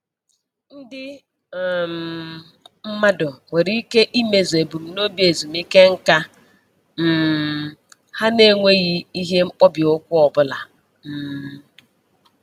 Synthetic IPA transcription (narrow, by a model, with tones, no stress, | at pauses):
n̩˦dɪ˦˨ | m | m̩˦ma˦dɔ˨ŋe˨ɾi˦ke˦ʔi˦me˨ze˨bu˨m̩˦no˦bi˦e˨zu˨mi˦ke˦ŋ̩˦ka˦ | m̩˨ | ha˦ne˦˨ŋʷe˦ɣi˦i˦ɦe˦ŋ͡m̩˦k͡pɔ˦bjo˦kʷʊ˦ɔ˨bʊ˦la˨ | m̩˦